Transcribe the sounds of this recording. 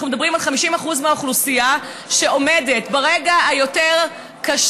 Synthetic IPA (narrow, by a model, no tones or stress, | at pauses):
χnumed̪abʁimalχamiʃimaχuzmeauχlusija | ʃe̞o̞mede̞tbaʁeɡahajo̞teʁ | kaʃ